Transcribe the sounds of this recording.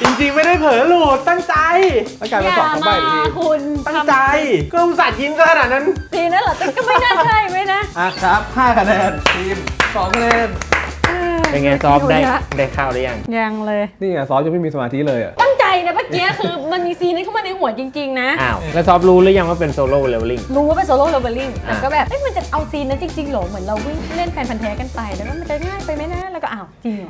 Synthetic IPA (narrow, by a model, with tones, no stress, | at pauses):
t͡ɕi˧ŋt͡ɕi˧ŋma˥˩jda˥˩jpʰɤː˨˩˦luː˨˩t̪̚ːa˥˩ŋt͡ɕa˧ja˧˩ka˧jka˧sɔː˦a˧aː˥˩jkʰu˧nt̪a˥ŋ˧t͡ɕa˧jku˧msa˨˩t̪̚ji˧˥˦ŋka˧˩kʰa˧naː˨˩t̪̚na˦˥nsiː˧na˦˥la˨˩kɔ˥kɔ˥˩ma˥˩a˥˩a˧˩jma˦˥jna˦˥ʔa˧˩kʰɾa˦˥p̚haː˥˩kʰa˧nɛː˧nʰi˧˩nsɔː˩˦ŋkʰa˧nɛː˧naː˧pe˧nŋaː˧nsɔː˦˥p̚daː˥˩˦daː˥˩jkʰaː˥˩wda˦ja˧˩ŋja˧˩ŋlɤː˧jniː˥˩a˨˩sɔː˦˥p̚ja˧˦mi˥˩miː˧sa˧maː˧t̪ʰi˦˥lɤː˧jʔa̰˨˩ʔt̪a˥˩ŋt͡ɕa˧jni˧˩maː˧˩ŋi˦˥ɐkʰɯː˧ma˧nmiː˧siː˧na˧˥˦kʰa˥wmaː˧nɯ˧˥mu˨˩˦t͡ɕi˧ŋt͡ɕi˧ŋna˦˥ʔaː˧˩wlɛː˦˧˩sɔː˦˥p̬̚ɾuː˦˥ɾɯ˦˥˦ja˧ŋwaː˥˩pe˧nsoː˧loː˥˩le˧bli˥˩ŋɾuː˦waː˥˩pe˧nsoː˧loː˥˩leː˧baː˧li˥˩ŋlaː˧˩˧kɔː˥˩bɛː˨˩p̚ʔa˦˥˩ma˧nt͡ɕa˨˩ʔa˧wsiː˧nːa˦˥t͡ɕi˧ŋt͡ɕi˧ŋlɔː˨˦mɯ˩˦nɾa˧wwi˥˩ŋle˥˩npʰɛː˧npʰa˧nt̪ʰɛː˦˥ka˧˨nt̪a˧jdɛː˨˩˦wkaː˥˩ma˧nt͡ɕa˨˩ŋaː˥˩jpa˧jma˦˥jna˦˥lɛː˦˥kɔː˥˩ʔaː˨˩wt͡ɕi˧ŋ˨˩